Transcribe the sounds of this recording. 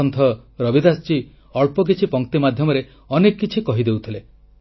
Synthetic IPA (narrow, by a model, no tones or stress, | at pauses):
ɔnt̪ʰɔɾɔbid̪ast͡ʃi | ɔɭpɔk̬it͡ʃʰipɔŋk̚t̪imad̪ʱjɔmɔɾe | ɔnekːit͡ʃʰikɔɦid̪ewt̪ʰile